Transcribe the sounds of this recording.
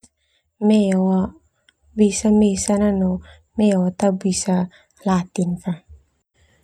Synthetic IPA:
mewa | bisamesananɔ | mewat̪abisa | lat̪infa

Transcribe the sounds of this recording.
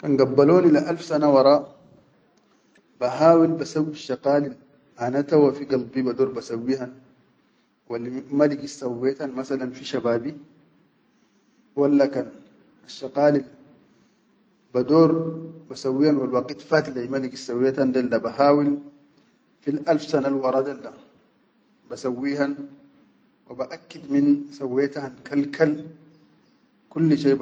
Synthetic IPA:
kanɡabːaloːnilaʔalfsanawɑɾˤɑː | baɦaːwilbasawːiʃːɑqaːlil | ʔanat̪awafiɡɑlbibad̪oːɾbasawːihan | walːimaliɡisawːjat̪anmasalanfiʃabaːbi | walːakan | aʃːaqaːlil | bad̪oːɾbasawːiːhanwalwɑqit̪fat̪lamaliɡisːawet̪and̪aldabahaːwil | filʔalfsanalwɑɾˤɑd̪alːa | basawːiːhan | wabaʔakːid̪minsawːet̪hankalkʰal | kulːʃejb

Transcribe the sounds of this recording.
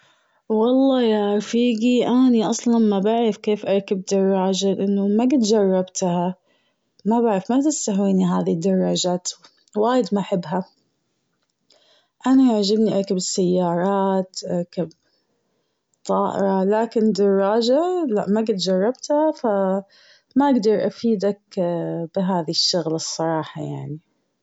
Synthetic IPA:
wɑlˤːɑːjaɾˤfiːɡiʔaniʔɑsˤlɑnmabaʕɾɪfkeːfʔɑɾˤkabd̪ɑrˤːɑːd͡ʒalɪʔɪnːʊmaɡɪt̪d͡ʒɑrˤːɑbt̪ha | mabaʕɾɪfmat̪ɪst̪aɦwiːniɦaːðid̪ːɑrˤːɑːd͡ʒaːt̪ | waːjɪd̪maʔaħɪbːɦa | ʔanaʔaʕd͡ʒabniʔakabɪsːajːɑːɾˤɑːt̪ʔakab | t̪ˤːɑːʔɪ̰ɾˤɑlaːkɪnd̪ɑrˤːɑːd͡ʒalaʔmaɡɪt̪d͡ʒɑrˤːɑbt̪hafa | maʔaɡd̪ɑɾˤʔafiːd̪akbɪɦaːðiʃːʊɣlsˤːɑɾˤɑːħɑja̰ʕni

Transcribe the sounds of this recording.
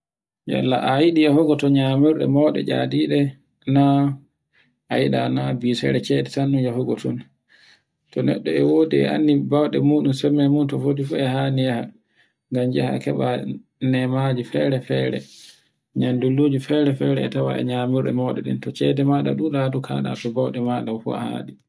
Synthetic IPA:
ja̰lːaʔajiɗijahɔɡɔtɔɲamiɾɗɛ̰mɔːɗɛ̰d͡ʒa̰diːɗɛ | na | ʔajiɗanabiːsɛ̰ɾɛt͡ʃɛdɛtanːujahɔɡɔtɔn | tɔnɛɗːɔɛwoːdiɛ̰a̰nːibawɗɛmuːɗumsɛmːɛmuntɔfodifuɛhanijaha | ŋɡamd͡ʒɛha̰kɛɓanɛmad͡ʒifɛɾɛfɛɾɛ̰ | ɲandulːuːd͡ʒifɛɾɛfɛɾɛɛtawa̰ʔɛ̰ɲamiɾɗɛ̰mɔɗɛ̰ɗḭntɔt͡ʃɛdɛmaɗa̰ɗuɗadukʰa̰ːɗa̰pɛbawɗɛmaːɗamfṵa̰ha̰ɗi

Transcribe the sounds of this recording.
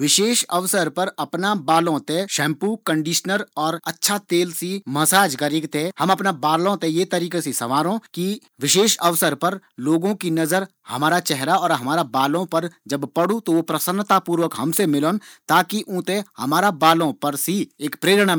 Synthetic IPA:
ʋɪʃeːʃɐʋsəɾpɐɾɐpnabaːlõt̪ẽʃɛ̃ːmpukə̃ɳɖiːʃnəɾɔːɾɐtːʃʰat̪eːlsimɐsaːd͡ʒɡɐɾikt̪ehɐ̃mɐpnabaːlõt̪ejet̪ɐɾiːkesisɐʋaːɾõki | ʋɪʃeːʃɐʋsəɾpɐɾloːɡõkinɐzəɾ | hɐmaːɾat͡ʃɛɦɾaɔːɾɦɐmaːɾabaːlõpɐɾd͡ʒɐbpɐɽũt̪oʋopɾəsənːt̪apuːɾʋəkɦɐmsemɪlõːnt̪aːkiʔũːt̪ehɐmaːɾabaːlõpɐɾsieːkpɾeːɾɽ̃a

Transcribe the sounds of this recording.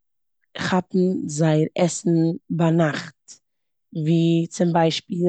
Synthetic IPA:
ɪχhatn̩zaɪəɾɛsn̩banaχt | viːt͡sɪmbaɪʃpiː

